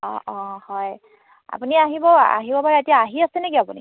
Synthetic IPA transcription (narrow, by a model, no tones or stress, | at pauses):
ɔ̰̃ɔ̃hɔj | a̰puniaɦibɔa̰ɦibɔpaɹɛetijaːɦiasɛnɛkiapuni